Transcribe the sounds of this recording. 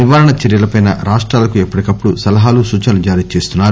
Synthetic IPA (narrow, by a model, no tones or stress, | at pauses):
niʋaːɾɐɳɐt͡ʃeɾjɐlɐpɐjnɐ̰ɾaːʂʈɾaːlɐkuepːɐʈikɐpːuɽusɐlɐɦaːlusuːt͡ʃɐnɐlud͡ʒaːɾiːt͡ʃe̞ːst̪unːaːɾu